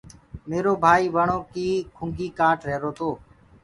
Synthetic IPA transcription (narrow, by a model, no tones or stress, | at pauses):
meːɾoːbʱaːiːʋəɳoːkiːkʰʊŋɡiːkaːʈɾeːɾoːt̪oː